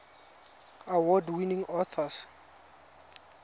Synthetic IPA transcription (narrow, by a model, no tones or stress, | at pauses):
awɔdwinĩŋɔθʰɔs